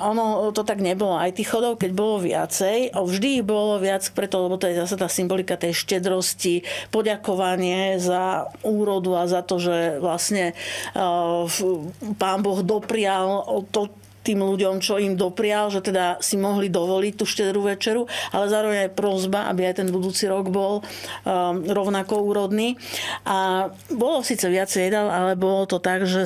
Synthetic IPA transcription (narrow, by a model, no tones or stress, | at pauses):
ʔɔnɔt̪ɔt̪aɡɲɛbɔlɔajt̪ixxɔd̪ɔʊkɛɟbɔlɔʋɪa̰t͡sɛjavʒd̪iːɣbɔlɔʋɪat͡spɾɛt̪ɔlɛbɔt̪ɔjɛzas̬at̪aːsimbɔlikat̪ɛjʃcɛd̪ɾɔscipɔɟakɔʋaɲɪɛzauːɾɔd̪uazat̪ɔʒɛʋlasɲɛ | paːnbɔɣd̪ɔpɾɪalt̪ɔ | t̪iːmluɟɔmt͡ʃɔimd̪ɔpɾɪalʒɛt̪ɛd̪asimɔɦlid̪ɔʋɔlic̚t̪uʃcɛd̪ɾuʋɛt͡ʃɛɾualɛzaːɾɔʋɛɲajpɾɔzbaʔa̰biajt̪ɛnbud̪uːt͡siɾɔɡbɔl | ɾɔʊnakɔuːɾɔd̪niːʔa | bɔlɔsiːt͡sɛʋɪat͡sɛjɛd̪alalɛbɔlɔt̪ɔt̪aɡʒɛ